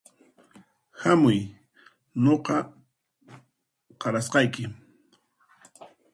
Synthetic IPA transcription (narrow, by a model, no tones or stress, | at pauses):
hamʊj | ɲoqɑ | qɑɾasqɑjkɪ